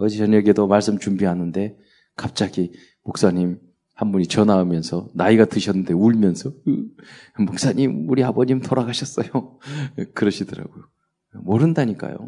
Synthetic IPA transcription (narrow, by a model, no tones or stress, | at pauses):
ʌd͡ʑit͡ɕʌɲʌɡedomaɭs͈ɯmt͡ɕumbiɦanɯnde̞ | kap̚t͡ɕ͈aɡi | mok̚s͈aɲim | hambuɲit͡ɕʌnaɯmjʌnsʰʌnaiɡatɯɕʰʌnːɯnde̞uɭmjʌnsʰʌɯmok̚s͈aɲimuɾiabʌɲimtoɾaɡaɕʰʌs͈ʌjo | kɯɾʌɕʰidɯɾa̰ɡ̥ojo | mʌɾɯndaɲik͈a̰jo̰